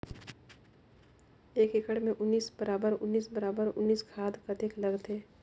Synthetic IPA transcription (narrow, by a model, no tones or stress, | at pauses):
eːkɪkəɽmẽʔʊnːiːsbɐɾaːbəɾʊnːiːsbɐɾaːbəɾʊ̰nːiːskʰaːd̪kɐt̪eklɐɡt̪eː